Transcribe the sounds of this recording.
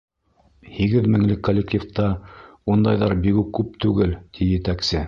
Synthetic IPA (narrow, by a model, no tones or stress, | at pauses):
hiɡɘðmɘ̆ŋlɘkːolʲːek̚tʲift̪ɑund̪ɑjðɑɾbiɡʉkːʉp̚t̪ʉɡɘlt̪ʰijɘ̆t̪æksɘ